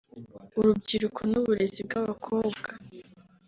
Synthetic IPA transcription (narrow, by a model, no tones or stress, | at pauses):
uɾubɟiɾukʰonoβuɾezib̚ɡaβakʰo̞ːbɡa